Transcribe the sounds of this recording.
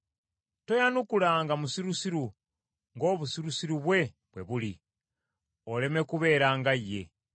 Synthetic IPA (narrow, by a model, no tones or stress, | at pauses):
to̞janukulaːŋɡamusiɾusiɾu | ŋɡo̞ːβusiɾusiɾuβwe̞ | βwe̞̰βuli | o̞le̞me̞kuβe̞ːɾaːŋɡajːe̞